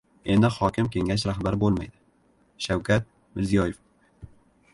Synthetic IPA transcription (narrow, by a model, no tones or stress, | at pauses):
e̞nd̪ɪhɒkʲɪmkʲʰe̞ŋʲaʃ̬ɾahbaɾɪbolˠma̰jd̪ɪ | ʃawkʲʰat̪̚ | mɪɾzijɒjef